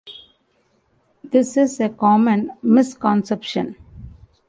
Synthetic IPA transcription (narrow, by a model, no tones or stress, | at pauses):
d̪ɪsɪzekɔːmə̃nmɪskɔ̃nsɛpʃə̰̃n